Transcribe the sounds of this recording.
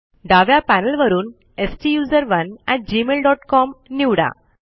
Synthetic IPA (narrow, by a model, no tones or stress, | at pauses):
ɖaʋjapænəlʋəɾuːn | esʈijuːzəɾʋənɛʈ̚d͡ʑimelɖɔʈkɔmniʋɽa̰